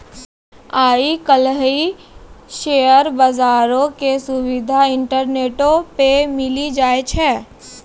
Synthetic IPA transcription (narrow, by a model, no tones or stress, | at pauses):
aːikəlɦi | ʃeːəɾbɐzaːɾõkesʊwɪd̪ʱaɪ̃ɳʈəɾneːʈõpemɪlid͡ʒaːet͡ʃʰɛː